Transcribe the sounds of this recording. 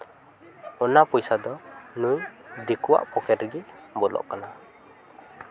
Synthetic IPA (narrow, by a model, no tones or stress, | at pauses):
ɔnapujsad̪ɔnujd̪ikua̰ʔpɔkɛɾɡimbɔlɔ̰ʔkana